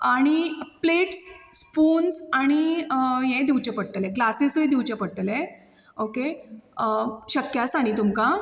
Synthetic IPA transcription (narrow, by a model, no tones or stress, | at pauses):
aɽ̃ipleʈsːpuːnsaɽ̃ijɛ̃d̪iwt͡ɕepəɽʈəlẽɡlasesujd̪iwt͡ɕepəɽʈəle | oke | ɕəkjasaɽ̃it̪umka